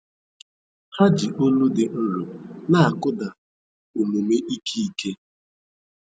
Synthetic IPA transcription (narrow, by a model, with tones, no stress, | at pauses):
ha˦d͡ʒi˨ʔo˦nu˦dɪ˨n̩˦ɾʊ˨na˦a˨kʊ˦da˨ | u˨nu˨me˦ʔi˦kʰi˦i˦ke˦